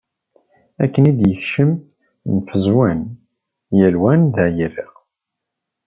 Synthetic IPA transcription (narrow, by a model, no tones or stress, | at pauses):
ækːənid̪jəçʃəm | nfəzwæn | jəlwænðæʕjəriʁ